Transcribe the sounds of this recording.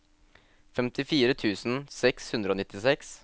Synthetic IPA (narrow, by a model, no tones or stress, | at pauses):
fɛmt̪ʰɪfiːɾət̪ʰʉːsn̩sɛkshʉnd̪ɾəoːnɪt̪ːɪsɛks